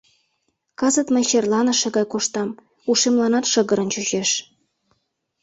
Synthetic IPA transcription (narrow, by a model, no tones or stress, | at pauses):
kɑzə̆t̪mĕɕerlˠɑnɤ̆ʃĕɣɑjkoʃt̪ɑm | uʃemlɑnɑt̪ʃɤ̆ɣə̆ɾə̆nt͡ɕyʑeʃ